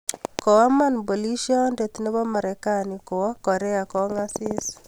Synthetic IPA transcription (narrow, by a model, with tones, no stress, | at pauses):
kɔ˨wa˦ma˦nbo˨li˦ʃiɔ˦nde˨t̪ne˦βɔ˦ma˨ɾekani˨ko˨wɔ˦kɔ˨ɾɛ˦a˨kɔ˦ŋasi˦s